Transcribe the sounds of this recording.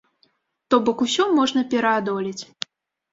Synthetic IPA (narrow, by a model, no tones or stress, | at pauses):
t̪ɔbɔkusʲɔmɔʐnɐpʲɛɾɐad̪ɔlʲit͡sʲ